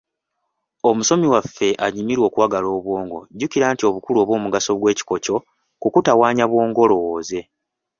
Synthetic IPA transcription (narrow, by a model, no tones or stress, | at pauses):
o̞muso̞miwafːe̞ʔaɲimiɾwo̞kuwaɡalo̞ːβwo̞ːŋɡo̞̰ɟuciɾaːntio̞βukuloβo̞ːmuɡaso̞ɡwe̞ːci̥ko̞co̞ | kukutawaːɲaβwo̞ːŋɡo̞lo̞woːze̞